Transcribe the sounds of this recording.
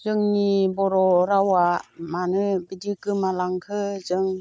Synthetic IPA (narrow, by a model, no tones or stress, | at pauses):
zɯŋnibɔɾɔɾawamanɯbidikɯmalaŋkʰɯzɯŋ